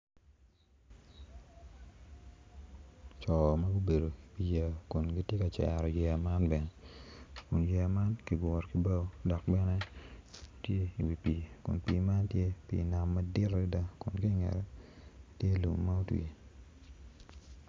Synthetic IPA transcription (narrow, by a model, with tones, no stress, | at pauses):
t͡ʃɔ˨ma˦ɡu˦be˨do˨i˨wi˨jɛ˨kʊ˨nɡi˦tje˦ka˨t͡ʃɛ̰˨ɾɔ˨jɛ˨ma˦nbɛ˨nɛ˨kʊ˨njɛ˨ma˦nki˨ɡɔ˨ɾki˨ba˦dɔ˨k̚bɛ˦nɛ˦ | tje˦i˨wi˨pi˨kʊ̰˨npḭ˨ma˦ntje˦pḭ˨na˨mːa˦dɪ˦ɾi˦da˦kʊ˨nki˦ŋɛ̰˨ɾɛ˦tje˦lṵ˨mːa˦o˦twḭ˨